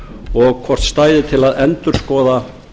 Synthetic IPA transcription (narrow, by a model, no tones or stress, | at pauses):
ɔɣkʰvɔr̥t̪st̪aːjðɪt̪ʰɪlaðɛnt̪ʏɾ̥skɔːða